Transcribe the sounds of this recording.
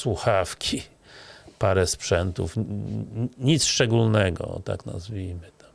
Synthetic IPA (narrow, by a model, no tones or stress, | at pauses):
swuxafkʲi | paɾɛspʂɛnt̪ṵf | ɲit̪sʂt͡ʂɛɡulnɛɡɔ̰t̪a̰kna̰zvʲijmɘt̪ḁm